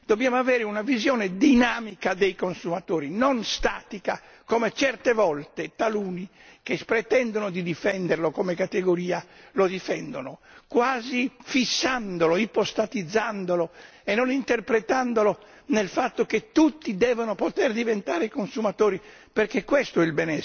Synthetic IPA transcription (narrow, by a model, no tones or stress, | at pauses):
d̪objaːmoavɛːɾeunavizjɔːned̪inaːmikad̪ejkonsumat̪oːɾinonst̪aːt̪ika | komet͡ʃɛrt̪evɔlt̪et̪aluːni | kespɾɛt̪ɛnd̪onod̪id̪ifɛnd̪erlokomekat̪eɡoɾiːalod̪ifɛnd̪onokwaːzifisːand̪oloipost̪at̪id̪zːand̪olo | enːonint̪erpɾet̪and̪olo | nelfat̪ːoket̪ːut̪ːid̪ɛːvonopot̪ɛrd̪ivent̪aːɾekonsumat̪oːɾiperkekːwest̪oɛilbɛnɛ